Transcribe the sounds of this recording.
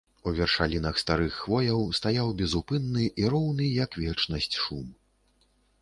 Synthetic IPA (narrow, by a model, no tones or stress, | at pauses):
uvʲɛrʂalʲinɐxst̪aɾɨxːvɔjɐwst̪ajawbʲɛzupɨnːɨʔiɾɔwnɨjɐkvʲɛt͡ʂnɐsʲt͡sʲʂum